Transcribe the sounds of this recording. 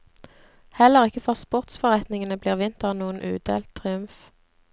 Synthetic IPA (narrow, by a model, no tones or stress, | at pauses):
hɛləʁɪkəfɔʁspʊʁt̪sfɔʁɛt̪nɪŋənəbliːʁʋɪnt̪əʁnuːənʔʉ̰ːd̪ḛːlt̪ʰʁɪʉmf